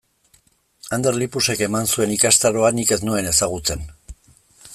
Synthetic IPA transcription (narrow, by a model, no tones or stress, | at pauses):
and̪e̞ɾlipuse̞ke̞mansue̞nikast̪aɾo̞anike̞znue̞ne̞saɣ̞ut͡se̞n